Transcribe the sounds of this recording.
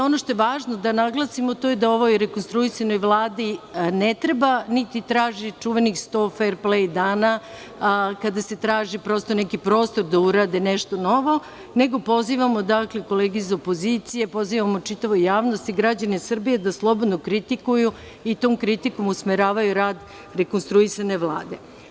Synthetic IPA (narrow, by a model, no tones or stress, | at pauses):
o̞no̞ʃt̪o̞jeʋaːʒno̞d̪anaɡlˠasimot̪o̞jed̪ao̞ʋo̞jɾe̞konst̪ɾuisanojʋlˠaːd̪inet̪ɾe̞banit̪it̪ɾaːʒit͡ʃuʋe̞nixst̪o̞ːfeɾplejd̪aːna | kad̪ase̞t̪ɾaːʒipɾo̞st̪o̞nekipɾo̞ːst̪o̞ɾd̪auɾaːd̪eneʃt̪o̞no̞ʋo̞ | ne̞ɡo̞po̞ziʋamo̞d̪akleko̞leːɡizaopo̞zit̪sije̞po̞ziʋamo̞t͡ʂit̪aʋojjaːʋno̞st̪iɡɾad͡ʑanesr̩bije̞d̪aslˠo̞bo̞d̪nokɾit̪ikuju | it̪oːmkɾit̪iko̞musmeɾaːʋajuɾaːd̪ | ɾekonst̪ɾuisane̞ʋlˠa̰ːd̪e̞